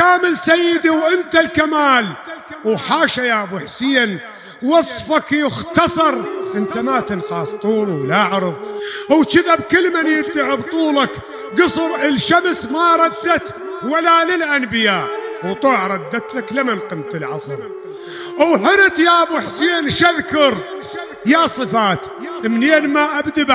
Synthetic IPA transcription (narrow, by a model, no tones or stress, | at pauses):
kaːmɪlsajːɪd̪iwʔɪnt̪alkamaːlwħaːʃajaːbʊħsɪːn | wɑsˤfɑkjɪxt̪ɑsˤɑɾˤʔɪnt̪amat̪ɪnqɑːsˤt̪ˤuːlwlaʕɾɨðˤʔwt͡ʃɪðabkɪlːmanjɪbd̪aʕɪbt̪ˤuːlɑk | ɡɨsˤɨɾɪlʃamsmaɾˤɑd̪ːat̪ | walalɪlʔanbɪjaːʔwt̪ˤoːʕɾˤɑd̪ːat̪laklamanqɨmt̪ɪlʕɑ̰sˤɑɾ | ʔawħɪɾɪt̪jabʊħseːnʃaðkʊɾ | jasˤɨfaːt̪ | ʔɪmneːnmaʔabd̪ab